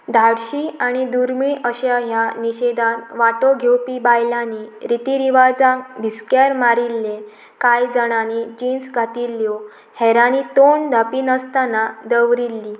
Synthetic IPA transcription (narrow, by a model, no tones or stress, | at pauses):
d̪ʱaɽɕiːaɽ̃id̪uɾmiɭʔəɕaɦjaniɕed̪anʋaʈoɡʱewpibajlaniɾit̪iɾiʋad͡zãbʱiskaɾmaɾilːẽ | kajd͡zəɽ̃anid͡ʑinsɡʱat̪ilːjɔ | hɛɾaniːt̪ond̪ʱəpinəst̪anad̪əʋɾilːi